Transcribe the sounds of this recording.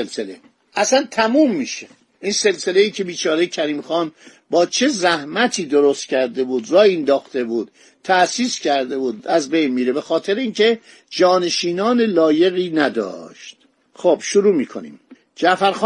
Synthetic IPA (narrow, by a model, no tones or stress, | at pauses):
elsele | ʔæsænt̪ʰæmumːiːʃe | ʔinse̞lse̞le̞iːcʰe̞biːt͡ʃʰɒːɾejecʰæɾiːmxɒːn | bɒːt͡ʃʰe̞zæhmæt̪ʰiːd̪oɾost̪cʲʰæɾd̪e̞buːd̪ɾɒːjend̪ɒːxt̪e̞buːd̪̥ | t̪ʰːæsiːscʰæɾd̪e̞buːd̪æzbe̞jnmiːɾebe̞xɒːt̪ʰeɾeiːncʰe̞ | d͡ʒɒːne̞ʃiːnɒːne̞lɒːje̞ɣiːnæd̪ɒ̰ːʃt̪ | xob̥ʃuɾuːmiːkʰo̞nḭːm | d͡ʒæfæɾx